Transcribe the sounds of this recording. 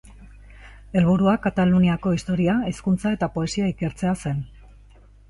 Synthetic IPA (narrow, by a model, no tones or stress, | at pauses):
e̞lβ̞uɾuakat̪aluniako̞ist̪o̞ɾiaiskunt͡sae̞t̪apo̞e̞siaike̞ɾt͡se̞ase̞n